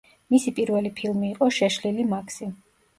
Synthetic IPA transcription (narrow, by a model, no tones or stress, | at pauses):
misipʼiɾvɛlipʰilˠmiːqʼɔʃɛʃlilimakʰsi